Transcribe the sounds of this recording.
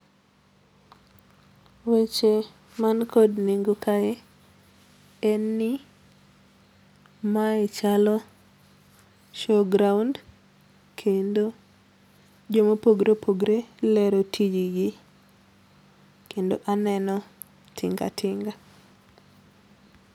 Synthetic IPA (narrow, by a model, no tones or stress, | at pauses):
wet͡ʃe | mankʰodniŋɡokaɛ | ɛnːɪ | maɛt͡ʃalɔ | ʃoɡɾaund | kʰendo | d͡ʒomopoɡɾopʰoɡɾelɛɾotʰid͡ʒiɡɪ | kendo̰ʔanɛnɔ | tʰɪ̰ŋɡa̰tʰɪŋɡa